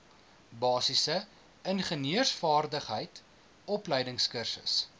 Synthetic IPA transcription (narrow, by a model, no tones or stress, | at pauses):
bɑːsisə | ənχəniərsfɑːrdəχɦəjt | ɔpləjdəŋskərsə̰s